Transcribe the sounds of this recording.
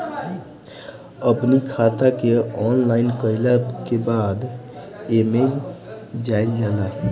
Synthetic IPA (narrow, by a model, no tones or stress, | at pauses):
əpnikʰat̪akeɔnlaɪnkəɪləkebad̪ | emed͡ʒ | d͡ʒajld͡ʒala